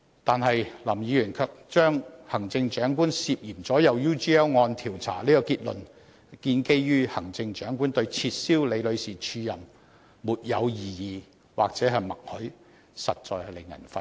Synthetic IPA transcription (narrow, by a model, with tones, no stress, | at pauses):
t̪aː˨nhɐ˨jlɐ˨˩mjiː˨˧jyː˨˩nkʰœ˧k̚t͡ʃœː˥ŋhɐ˨˩ŋt͡sɪ˧ŋt͡ʃœː˨˥ŋkuː˥nsiː˨˧p̚jiː˨˩mt͡sɔː˨˥jɐ˨wjuː˥t͡ʃiː˥ɛː˥wŋɔː˧nt̪ʰiː˨˩wt͡sʰa̰ː˨˩liː˥kɔ˧kiː˧t̚lɵ̰˨n | kiː˧nke˥jjyː˥hɐ˨˩ŋt͡sɪ˧ŋt͡ʃœː˨˥ŋkuː˥nt̪ɵ˧ɥt͡sʰiː˧t̚siː˥wle˨˧jlɵ˨˧ɥsiː˨˩t͡ʃʰyː˧jɐ˨˩mː | uː˨˩t̚jɐ˨˧wjiː˨jiː˨˩ | waː˨k̚t͡sɛː˨˥ɦɐ˨˩jmɐ˨k̚hɵ˨˥ | sɐ˨t̚t͡ʃɔ̰ː˨˧jhɐ˨˧le˨˩ŋːɐ̰˨˩nfɐ˧